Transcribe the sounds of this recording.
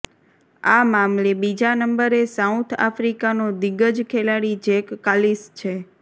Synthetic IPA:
amamlebid͡ʒanəmbəɾesawt̪ʰa̰fɾikanod̪iɡəd͡ʒkʰelaɽid͡ʒekːalist͡ʃʰe

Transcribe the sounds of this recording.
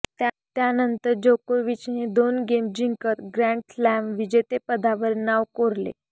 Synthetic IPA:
t̪ | t̪janənt̪əɾd͡ʑokoʋit͡ɕned̪onɡemd͡ʑiŋkət̪ɡɾæ̃ɳʈslæmʋid͡ʑet̪epəd̪ʱaʋəɾnaʋkoɾlḛ

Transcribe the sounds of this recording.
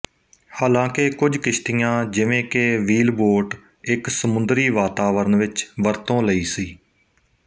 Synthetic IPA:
haːlãːkekʊd͡ʒkɪʃʈ̪ijãːd͡ʒɪʋẽːkeːʋiːlboːɾʈ | ɪksəmʊ̃nd̪ɾiːʋaːt̪aːʋəɾənʋɪt͡ʃʋəɾt̪õːləiːsiː

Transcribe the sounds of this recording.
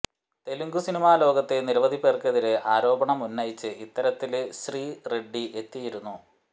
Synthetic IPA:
t̪e̞luŋɡusinimaːlo̞ːɡɐt̪ːe̞niɾʋɐd̪ʱipeːrkeðiɾeaːɾo̞ːbɐɳɐmunːɐjit͡ɕːɨit̪ːɐɾɐt̪ːilɕriːreɖːiʔe̞t̪ːijiɾunːu

